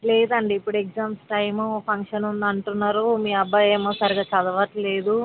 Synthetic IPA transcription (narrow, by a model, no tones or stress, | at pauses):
leːd̪ɐɳɖiipːuɽekd͡ʒaːmsʈɐjmupʰɐŋkʂɐnund̪ɐɳʈunːaːɾumiːɐbːɐeːmoːsaːɾiɡaːt͡ʃɐd̪ɐʋɐʈle̞ːd̪u